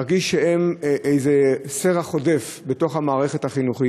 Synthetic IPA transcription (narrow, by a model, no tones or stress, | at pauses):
ʁɡiʃːeemʔejzeseʁaχo̞de̞fbet̪o̞χhamaːʁe̞χe̞thaχinuχi